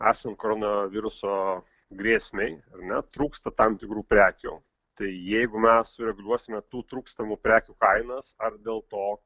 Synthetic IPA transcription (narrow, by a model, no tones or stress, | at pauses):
æːsɐnt̪̚koːɾoːnɐʋʲɪɾʊsoː | ɡɾʲeːsʲmʲɛɪɐrnʲɛt̪ɾuːkst̪ɐt̪ɐmt̪ʲɪkɾuːpʲɾʲæːkʲʊ | t̪ɐɪjɛɪɡʊmʲɛssʊɾʲɛɡʊlʲuɔsʲɪmʲɛt̪uːt̪ɾuːkst̪ɐmuːpʲɾʲæːkʲukɐɪnɐsɐrd̪ʲeːlˠt̪oː